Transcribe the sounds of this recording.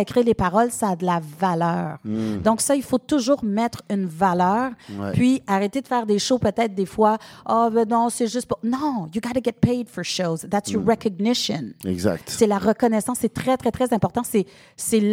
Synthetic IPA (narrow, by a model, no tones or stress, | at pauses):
ekʲʁilepaʁɔlsaːd̪əlavalœːʁd̪ɔ̃ksailfot̪uʒuːʁmɛt̪χynvalœːʁpɥiaʁet̪ed̪əfɛːʁd̪eʃopøt̪ɛt̪̚d̪efwaɔbɛnɔ̃sɛʒʏst̪̚punɔ̃juɡɑɾəɡɛt̪̚peɪd̪fɔ˞ʃoʊzðæt̪sjɔɹɛkɔɡ̚nɪʃə̰̃nɛ̰ɡza̰k̚t̪sɛlaʁəkɔnɛsɑ̃sːɛt̪χɛt̪χɛt̪χɛzɛ̃pɔʁt̪ɑ̃sɛ | sɛl